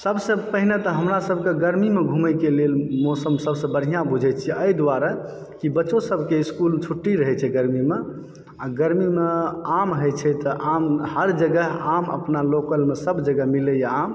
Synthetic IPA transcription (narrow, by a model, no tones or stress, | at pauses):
səbsə̃pəɦinet̪ɔɦəmɾasəbʱkeɡəɾmimeɡʱuməjkelelmɔsəmsəbsə̃bən̤ijãbud͡ʒʱɛt͡ʃʰiəjd̪waɾə | kibəːt͡ʃosəbʱkeiskulmet͡ʃʰuʈːiɾəɦɛt͡ʃʰɛɡəɾmime | aɡəɾmimeamɦəjt͡ʃʰɛt̪ɔʔamhəɾd͡ʒəɡəɦamə̰pnalokəlmesəbd͡ʒəɡəɦmilɛjam